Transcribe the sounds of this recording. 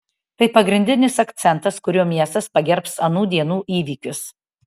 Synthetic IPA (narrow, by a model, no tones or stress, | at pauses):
t̪ɐɪpɐɡɾʲɪnʲd̪ʲɪnʲɪsɐkt̪sʲɛnt̪ɐskʊɾʲoːmʲiɛst̪ɐspɐɡʲɛɾpsɐnuːd̪ʲiɛnuːʔiːʋʲiːkʲʊs